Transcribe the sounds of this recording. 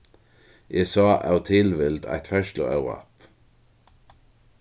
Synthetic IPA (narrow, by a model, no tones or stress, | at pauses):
ʔesɑːʔɑ̰ʉt̪ʰɪlʋɪld̪æ̰ɪt̪fœʃlə̰ːʔɑʊʁɑ̰p